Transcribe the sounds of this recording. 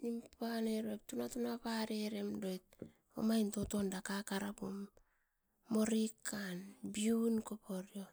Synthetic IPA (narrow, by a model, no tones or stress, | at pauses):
nimpaneɾoktunatunapaɾeɾe̞mdo̞jt̚ | o̰majntotondakakaɾapumː | o̞ɾikanbiunkopoɾjo